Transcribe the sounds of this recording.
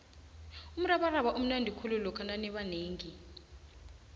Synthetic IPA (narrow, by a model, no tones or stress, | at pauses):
um̩raɓaraɓaʔum̩nandʱikʰululɔkʰananɛɓaneːŋi